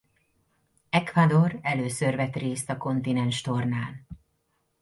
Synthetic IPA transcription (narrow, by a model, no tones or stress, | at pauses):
ɛkvad̪o̞rɛløːsørvɛt̪reːst̪ɒko̞nt̪inɛnʃt̪o̞rnaːl